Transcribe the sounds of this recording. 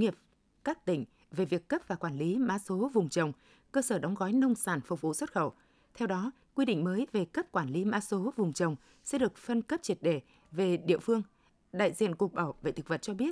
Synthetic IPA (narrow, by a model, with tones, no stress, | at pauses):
ŋi˨˩əp̚ | kaː˦˥k̚t̪ï˧˩ŋ̟ | ve˨˩vi˨˩əkːə˦˥p̚vaː˨˩kwaː˧˩nli˨˦maː˧˥so˨˦vʊ˨˩ŋ͡mt͡ɕə˨˩wŋ͡m | kəː˧səː˧˩ɗɔ˨˦wŋ͡mɣɔ˨˦jnə˧wŋ͡msaː˧˩nfʊ˨˩k͡p̚vṵ˧˨swə˦˥t̚xə˧˩w | t̪ʰɛ˧wɗɔ˨˦ | kwi˧ɗḭ˧˨ŋ̟məː˨˦jve˨˩kə˦˥p̚kwaː˧˩nli˨˦ma̰ː˧˦so˨˦vʊ˨˩ŋ͡mt͡ɕə˨˩wŋ͡m | sɛ̰˧˥ɗɨ˨˩ək̚fə˧nkə˦˥p̚t͡ɕi˨˩ət̚ɗe˧˩ | ve˨˩ɗḭ˧˨əfɨ˧əŋ | ɗa̰ː˧˨jzḭ˧˨ənku˨˩ək̚ɓaː˧˩wvḛ˧˨t̪ʰɨ˨˩k̚və˨˩t̚t͡ɕɔ˧ɓi˦˥ət̚